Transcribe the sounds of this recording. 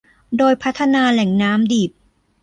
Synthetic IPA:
doː˧jpʰa˦˥t̪ʰːa˧naː˧lɛ˨˩˦ŋnaː˦˥mdiː˨˩p̚

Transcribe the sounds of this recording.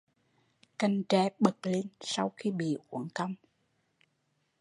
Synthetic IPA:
ka˧jŋ̟t͡ɕɛ˧˦ɓə˨˩t̚le˧nsa˧wxi˧ɓḭ˧˨ʔwə˧˩ŋkə˧wŋ͡m

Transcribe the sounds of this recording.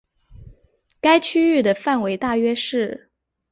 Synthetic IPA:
ka˥ɪt͡ɕʰy˥y˥˩d̪ə˩fa˥˩nwe˧˥ɪt̪a˥˩ɥɛ˥ʂɻ̩˥˩

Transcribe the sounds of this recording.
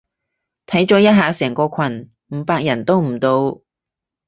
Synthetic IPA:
t̪ʰɐ˨˥jt͡ʃɔː˨˥jɐ˥t̚ɦaː˨˧sɛː˨˩ŋkɔː˧kʰɐ˨˩n | m̩˨˥paː˧k̚jɐ˨˩nt̪o˥wm̩˨˩t̪o˧w

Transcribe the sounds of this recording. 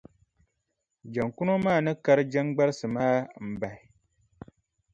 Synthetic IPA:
d͡ʒa˨ŋku˦no˦maː˦˨nɨ˦ka˦ɾɨ˦d͡ʒa˦ŋɡ͡ba˦ɾsɨ˨maː˦m̩˨ba˨ɪ˨

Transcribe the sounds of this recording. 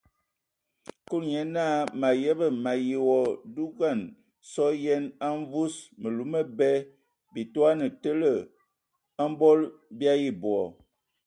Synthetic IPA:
ku˦lɲɛ˨˦na˦ma˨jɛ˦bə˨ma˨ji˨wɔ˨du˦ɡa˦˨n | sɔ˦jɛ˦na˦ɱ˦vu˦smə˨lu˨˦mə˦bɛ˦ | bi˨tu˦a˦nə˨tə˦lə˨ | a˦m˦bɔ˦lbja˦ji˦bwɔ˨

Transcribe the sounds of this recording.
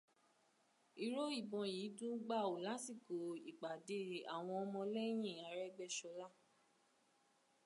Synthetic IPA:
i˨ɾo˦i˦˨bɔ̃˧ji˨˦dũ˦ɡ͡ba˦˨o˨la˨˦si˦˨ko˨i˨ɡ͡ba˨de˨˦˨a̰˨w̃ɔ̃˧ɔ˧mɔ̃˧lɛ˦j̃ĩ˦˨a˨˦ɾɛ˦ɡ͡bɛ˦˨ʃɔ˧la˦˨

